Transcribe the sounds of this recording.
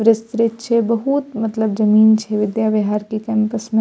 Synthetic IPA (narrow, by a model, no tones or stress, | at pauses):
ɾɪst̪ɾɪt̪t͡ʃʰebɐɦut̪mɐt̪ləbzɐmiːnt͡ʃʰeʋɪd̪jaːbɪɦaːɾkikɛ̃ːmpəsmẽ